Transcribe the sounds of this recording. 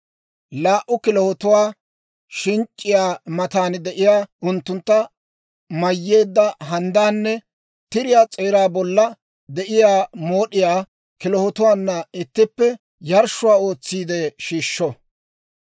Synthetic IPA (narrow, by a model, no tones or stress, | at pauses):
laːʔʊkɪlɔhɔt̪ʊwaː | ʃɪŋt͡ʃʼːɪjaːmɐt̪aːnd̪ɛʔɪjaːʊnt̪ːʊnt̪ːɐ | mɐjːe̞ːd̪ːɐɦɐnd̪aːnːɛ | t̪ɪɾɪjaːt͡sʼeːɾaːbɔlːɐ | d̪ɛʔɪjaːmo̞ːɗɪjaː | kɪlɔhɔt̪ʊwaːnːɐɪt̪ːɪpːɛ | jɐɾʃʊwaːo̞ːt͡sːiːd̪eʃiːʃːɔ